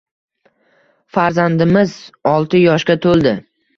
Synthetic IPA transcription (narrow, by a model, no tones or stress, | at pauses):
faɾzand̪ɪmɪzɒlˠt̪ʰɪjɒʃkʲat̪ʰolˠd̪ɪ